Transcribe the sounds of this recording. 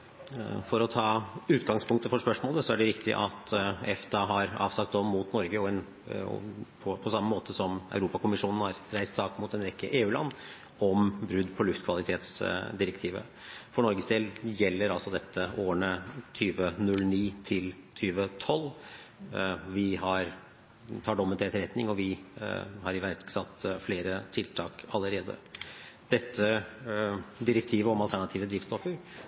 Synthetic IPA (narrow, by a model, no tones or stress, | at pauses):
fɔɾɔt̪ʰɑːʉːt̪ɡɑŋspʰʊŋk̚t̪əfɔʂpœʂmoːləsɔæɖɛɾɪkt̪ɪ̰ʔɑ̰t̪ɛft̪ʰɑɦɑɾɑ̰ːʋsɑk̚t̪ɔmːut̪nɔɾɡəɔɛn | ɔ̰pʰɔpʰɔsɑmːəmoːt̪ʰəsɔmæ̰ʉɾuːpɑkʊmɪʂuːnn̩hɑɾɾæɪst̪sɑːkmuːt̪ːɛnɾɛkːə̰ʔeːʉːlɑ̰nː | ɔmbɾʉd̪ːpʰɔlʉft̪kʰʋɑlɪt̪ʰeːt̪sd̪ɪɾəkt̪ʰiːʋə̰ | fɔɳɔɾɡəsd̪eːljɛlːəɾɑlsɔd̪ɛt̪ːəʔoːəɳət̪ʰyːʋənʉlniːt̪ʰɪlt̪ʰyːʋət̪ʰɔlː | ʋɪhɑɾ | t̪ʰɑːɖɔmːənt̪ʰɛt̪əɾɛt̪nɪŋɔʋɪ | hɑɾɪʋæɾksɑt̪ːfleːɾət̪ʰɪlt̪ʰɑːkɑlːəɾeːd̪ə̰d̪̥ɛt̪ʰːə | d̪ɪɾək̚t̪ʰiːʋəɔmɑlt̪ʰæɳɑt̪ʰiːʋəd̪ɾiːfst̪ɔfəɾ